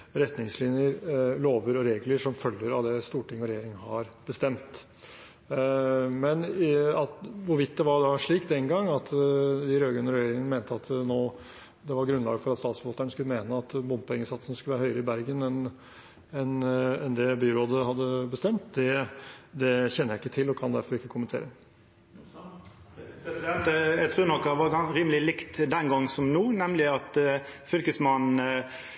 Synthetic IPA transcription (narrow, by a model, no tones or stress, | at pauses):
ɾɛt̪nɪŋslɪnjəɾloːʋəɾɔɾeːɡləʂɔmfœlːəɾɑʋd̪ɛst̪uːʈɪŋːɔɾɛjeːɾɪŋhɑɾb̥əst̪ɛmt̪ | mɛnɑt̪ʋʊɾʋɪt̪ːd̪ɛʋɑɖɑʂɭiːkd̪ɛŋɡɑŋːɑt̪d̪ɪɾøːɡʉnəɾɛjeːɾɪŋənmeːnt̪əɑt̪noː | d̪ɛʋɑɾɡɾʉnlɑ̰ːɡəfɔɾɑt̪st̪ɑːt̪sfəbɑːt̪əɳəskʉləmeːnəɑt̪bʊmpɛŋːəsɑt̪sənəskʉləʋæɾhœʏəɾəɪbæɾɡənɛn | ɛnɛnd̪ɛbyːɾoːd̪əhɑd̪ːəbəst̪ɛmt̪d̪ɛd̪ɛçɛnːəjæɪkːət̪ʰɪlɔkʰɑnd̪æɾfɔɾɪkːəkʰʊmːənt̪ʰḛːɾə | p̪ɛnt̪ɛt̪ʰɾʉːnɔk̪ːʋɑɑɾiːməlɪlɪkt̪d̪ɛnɡɔŋːsɔmnuːnɛmlɪɑt̪fʏlkəsmɑn̩